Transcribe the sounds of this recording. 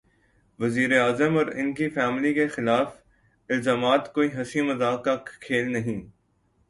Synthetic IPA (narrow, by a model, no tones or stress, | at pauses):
ʋɐziːɾeaːzəmɔːɾɪ̰nkifɛːmlikexɪlaːf | ɪlzaːmaːt̪koːiɦɐsimɐzaːkːakʰeːlnɐɦĩː